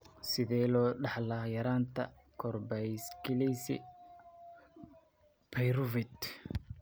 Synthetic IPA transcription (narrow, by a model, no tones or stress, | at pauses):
sɪðɛːlɔːɖɑħlajɐɾaːnt̪ʰɐ̰ | kʰɔrbɛjskɪlɛjsɪ̰ | pʰɛjɾʊvɪt̪